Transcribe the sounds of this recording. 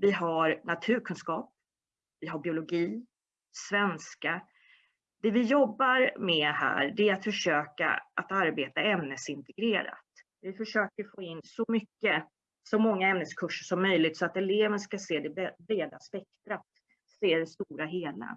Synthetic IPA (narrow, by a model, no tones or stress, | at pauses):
vɪɦaɾnat̪ʰʉ̟ːɾkʰɵnskɑːp̚ | vɪɦabɪʊlʊɡiː | svɛnska | d̪̥ɛvɪjɔbːaɾmɛhæ̰ːɾɖɛæɾat̪fœʂøːka̰ʔat̪aɾbeːt̪aɛmnəsɪnt̪ɛɡɾeːɾa̰t̪ | vɪfœʂøːkəɾfoːɪnːsɔmʏkːə | sɔmɔŋːaɛmnəskʰɵʂːəʂɔmːœjlɪɡ̚t̪sɔat̪ɛleːvənskaseːd̪ɛbɛbɾeːd̪aspɛk̚t̪ɾat̪ | seːd̪ɛst̪uːɾaɦeːla̰